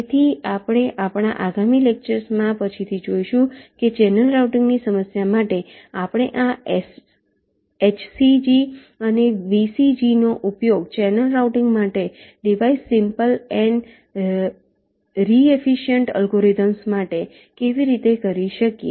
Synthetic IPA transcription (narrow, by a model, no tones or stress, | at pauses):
et̪ʰiapɽ̃eʔapɽ̃a̰ʔaɡamilek̚t͡ʃəɾsmãpət͡ʃʰit̪ʰid͡ʒoiʃũket͡ʃɛnəlɾauʈiŋɡnisəməsjamaʈeapɽ̃eʔa | et͡ʃʰsid͡ʒi | əneʋisid͡ʒinoʔupjoɡt͡ʃɛnəlɾauʈɪŋɡmaʈe | ɖiʋaisːimpəlɛɳ | ɾiefiʃjəɳʈə̰lɡoɾid̪əmsmaʈe | keʋiɾit̪ekəɾiʃəkjḛ